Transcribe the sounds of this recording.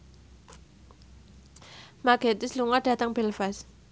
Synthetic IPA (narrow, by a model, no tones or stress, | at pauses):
maɡ̥et̪ɪsluŋaɖ̥ä̤t̪əŋb̥ɛlfas